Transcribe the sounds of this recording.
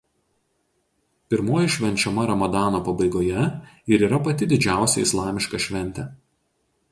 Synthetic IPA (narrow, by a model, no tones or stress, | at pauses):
pʲɪɾmoːjɪʃʲʋʲɛnʲt͡ʃʲɛmɐɾɐmɐd̪ɑːnoːpɐbɐɪɡoːjɛɪɾiːɾɐpɐt̪ʲɪd̪ʲɪd͡ʒʲæˑʊsʲɛ̰ɪslˠɑːmʲɪʃkɐʃʲʋʲɛnʲt̪ʲɛ